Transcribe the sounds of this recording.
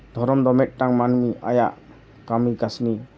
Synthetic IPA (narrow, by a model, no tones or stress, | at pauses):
d̪ʱɔɾɔmd̪ɔmet̚ːaŋmanumiʔajaʔ | kamikasni